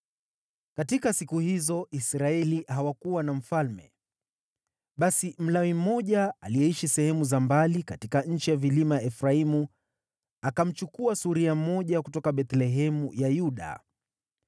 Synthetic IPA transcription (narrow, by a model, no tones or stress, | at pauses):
katikasikuhizɔisɾaɛlihawakuwanam̩falmɛ̰ | ɓasim̩lawim̩ːɔʄaalijɛiʃisɛhɛmuzambalikatikaɲ̩t͡ʃijavilimaɛfɾaimu | akam̩t͡ʃukuasuɾiamɔʄakutɔkaɓɛt̪lɛɦɛmujajuɗa̰